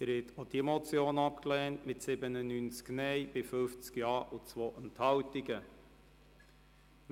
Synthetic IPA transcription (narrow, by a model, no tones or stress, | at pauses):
əɾhɛt̪od̥iɛmɔt͡sjoːnɑpklɛːntmɪtsɪbənənynt͡sknɛɪb̥ɪfɵft͡skjɑːʔʊt͡sʋoːʔɛnthɑwtɪɡə